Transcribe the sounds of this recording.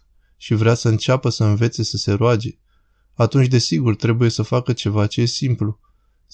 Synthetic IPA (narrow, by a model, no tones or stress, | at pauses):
ʃivɾeasəɨnt͡ʃapəsəɨnve̞t̪se̞səse̞ɾoad͡ʒe̞ | at̪unt͡ʃʲd̪e̞siɡurt̪ɾe̞buje̞səfakət͡ʃe̞vat͡ʃe̞je̞simplu